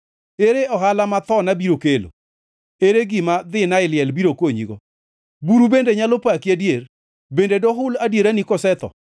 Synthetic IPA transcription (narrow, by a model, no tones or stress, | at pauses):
eɾeɔɦalamat̪ɔnabiɾokelo̰ | eɾeɡɪmad̪ɪnaɪlɪɛlbiɾokwoɲḭɡo | buɾubendeɲalopakiadjeɾ | bendedoɦʊladjeɾanikɔsɛt̪ɔ̰